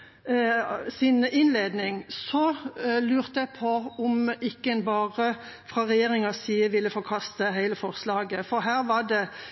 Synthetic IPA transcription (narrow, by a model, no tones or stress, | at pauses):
sɪnɪnleːd̪nɪŋsɔlʉːʁt̪əæpʰɔʊmɪkːəɛnbɑːʁə | fʁɑːʁɛjeːʁɪŋɑsiːəʋɪlːəfɔɾkʰɑst̪əɦæɪləfɔʁslɑːɡəfɔɾɦæːʁʋɑɖ̪ɛ